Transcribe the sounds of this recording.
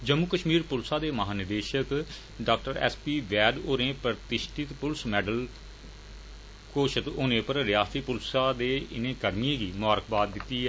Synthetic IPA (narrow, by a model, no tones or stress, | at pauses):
d͡ʒəmːukəʃmiːɾpʊlsãːd̪eːməɦaːnɪd̪eːʃək | ɖaːk̚ʈəɾɛ̰ːspiːʋɛːɖoːɾẽːpɾəɾt̪ɪʃʈɪt̪pʊlsmɛːɖəl | koːʃət̪oːnẽːpəɾɾɪjaːsipʊlsaːd̪eːɪnẽːkəɾmɪẽːɡiːmʊaːɾəkbaːd̪̚d̪ɪt̪ːiːɦɛː